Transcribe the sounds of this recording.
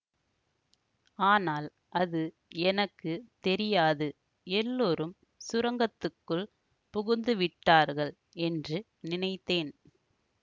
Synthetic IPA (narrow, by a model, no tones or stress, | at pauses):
aːnaːl | ʔɐðɯ | ɛnɐkːɯt̪ɛɾɪjaːðɯ | ɛlːoːɾɯm | sʊɾɐŋɡɐt̪ːɯkːɯɭ | pʊɣʊnd̪ɯʋɪʈːaːɾɣɐɭ | ɛndrɯ | nɪnɐɪt̪ːeːn